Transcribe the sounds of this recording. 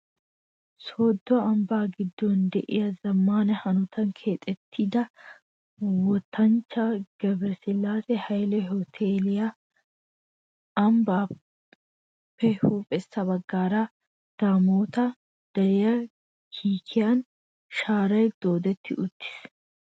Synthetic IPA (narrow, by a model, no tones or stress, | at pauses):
soːd̪ːɔɐmbaːɡɪd̪ːɔnd̪ɛʔɪ̰jɐzɐmːaːnɛhɐnʊt̪ʰɐŋkʰe̞ːt̪ʼːɛt̪ʰːiːd̪ɐ | wɔt̪ʰːɐnt͡ʃːɐɡ̥ɛbɾsɪlaːsɛhɐjlɛhɔt̪ʰeːlɪjɐ | ɐmbaː | pːɛhuːpʼɛsːɐbɐɡːaːɾɐ | d̪̥aːmoːt̪ɐ | d̪̥ɐɾɪjɐ | kʰiːkʰɪjan | ʃaːɾɐjd̪̥o̞ːd̪ɛt̪ʰːɪʔʊt̪ːɪ̥s